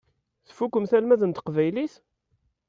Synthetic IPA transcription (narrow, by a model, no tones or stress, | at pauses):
θəfukːəmθælmæðənt̪ə̥qvæjliθ